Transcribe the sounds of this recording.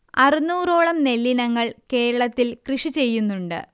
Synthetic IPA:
ɐrinuːro̞ːɭɐmne̞lːinɐŋːɐɭke̞ːɾɐɭɐt̪ːilkrɨʂit͡ɕe̞jːunːuɳɖɨ̰

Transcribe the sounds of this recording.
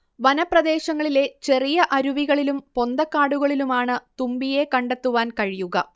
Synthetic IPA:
ʋɐnɐprɐd̪e̞ːɕɐŋːɐɭile̞t͡ɕe̞rijɐʔɐɾuʋiɣɐɭilumpo̞nd̪ɐkːaːɽuɣɐɭilumaːɳɨt̪umbije̞kɐɳɖe̞t̪ːuʋaːnkɐɻijuɣɐ

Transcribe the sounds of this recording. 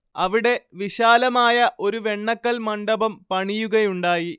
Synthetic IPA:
ɐʋiɽe̞ʋiɕaːlɐmaːjɐʔo̞ɾuʋe̞ɳːɐkːɐlmɐɳɖɐbɐmpɐɳijuɣɐjuɳɖaːji

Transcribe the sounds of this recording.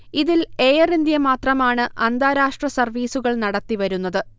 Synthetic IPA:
iðileːjɐrind̪jɐmaːt̪rɐmaːɳɨʔɐnd̪aːɾaːʂʈrɐsɐrʋiːsuɣɐɭnɐɽɐt̪ːiʋɐɾunːɐðɨ

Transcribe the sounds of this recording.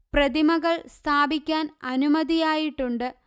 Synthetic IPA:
prɐd̪imɐɣɐɭst̪ʰaːbikʲːaːnɐnumɐd̪ijaːjiʈːuɳɖɨ

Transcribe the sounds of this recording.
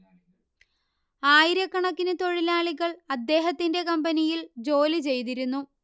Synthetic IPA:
aːjiɾjɐkːɐɳɐkːinɨt̪o̞ɻilaːɭiɣɐɭɐd̪ːe̞ːɦɐt̪ːinde̞kɐmbɐnijild͡ʑo̞ːlit͡ɕe̞jt̪̬iɾunːu

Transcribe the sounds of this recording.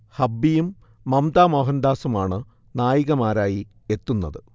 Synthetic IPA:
hɐbːijumː | ɐmd̪aːmoːɦɐnd̪aːsumaːɳɨ | naːjiɣɐmaːɾaːji | e̞t̪ːunːɐðɨ

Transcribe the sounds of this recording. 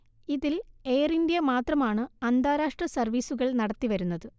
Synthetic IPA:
iðile̞ːrindjɐmaːt̪rɐmaːɳɨɐnd̪aːɾaːʂʈrɐsɐrʋiːsuɣɐɭnɐɽɐt̪ːiʋɐɾunːɐðɨ

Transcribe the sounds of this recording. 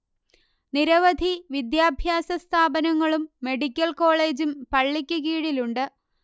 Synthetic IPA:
niɾɐʋɐd̪ʱiʋid̪jaːbʱjaːsɐst̪ʰaːbɐnɐŋːɐɭumːe̞ɽikʲːɐlko̞ːɭe̞ːd͡ʑumpɐɭːikʲːuɣiːɽiluɳɖɨ

